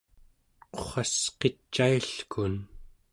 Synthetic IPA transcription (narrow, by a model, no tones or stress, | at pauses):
qoχɑsqet͡ʃːajɬkʰun